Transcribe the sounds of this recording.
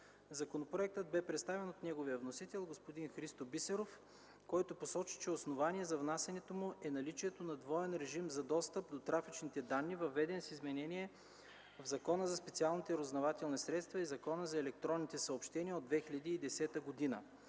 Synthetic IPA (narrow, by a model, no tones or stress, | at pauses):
zɐkonopɾoɛk̚t̪əd̪̚bɛpɾɛt̪st̪avɛnot̪nɛɡovijəvnosit̪ɛlˠɡospod̪inxɾist̪obisɛɾof | kɔjt̪ʊposɔt͡ʃi̥t͡ʃɛosnovaniɛzɐvnasʲɛnɛt̪omʊʔɛnɐlit͡ʃiɛt̪onɐd̪vɔɛnɾɛʒimzɐd̪ɔst̪əp̚d̪ot̪ɾafit͡ʃnit̪ɛd̪anːivɐvɛd̪ɛnsizmɛnɛniɛ | vzɐkɔnəzɐspɛt̪sialˠnit̪ɛɾoznɐvat̪ɛlˠnisɾɛt̪st̪vɐizɐkɔnəzɐɛlɛk̚t̪ɾɔnːit̪ɛsɐopʃt̪ɛniəod̪vɛxilʲɐd̪iːd̪ɛsɛt̪əɡod̪inə